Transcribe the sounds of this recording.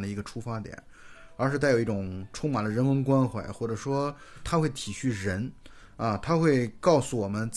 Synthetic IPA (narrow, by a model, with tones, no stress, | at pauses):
nd̪ə˩i˧˥ɡə˧ʈ͡ʂʰu˥fa˥t̪jɛ̰˨˩˦n | ə˞˧˥ʂ̬ɻ̩̬˥˧˥ɪjo˨˩ʊi˥˩ʈ͡ʂʊ˨˩˦ŋʈ͡ʂʰʊ˥ŋma˨˩nd̪ə˦ɻə˧˥nwə˧˥nkwa˥nxwa̰˨˧˩ɪxwɔ˥˩ʈ͡ʂɤ˨˩ʂwɔ˥t̪ʰa˥xwe˥˩ɪt̪ʰi˨˩ɕy˥˩ɻə˧˥n | ɐ˥˧t̪ʰa˥xwe˥˩ɪkɑ˥˩ʊsu˧˩wɔ˨˩mə˦nt͡s